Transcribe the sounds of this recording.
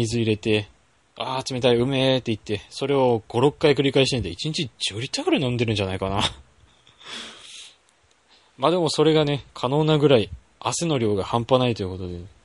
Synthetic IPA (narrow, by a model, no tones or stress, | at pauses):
izɨiɾe̞t̪e̞ | aːt͡sɨme̞t̪aiɯ̟me̞t̪ːe̞it̪ːe̞so̞ɾe̞o̞ɡ̥o̞ɾo̞kɯːaikɯ̟ɾʲikaiɕ̬it̪end̪eit͡ɕiɲ̟it͡ɕid͡ʑɨːɾʲit̪ːakɯ̟ɾanõnd̪eɾɯ̟̃ɲ̟d͡ʑanaikana | mad̪e̞mo̞so̞ɾe̞ɡane̞kʰano̞ːnaɡɯ̟ɾai | aseno̞ɾʲo̞ːɡahãmpanait̪o̞jiɯ̟ko̞t̪o̞d̪e̞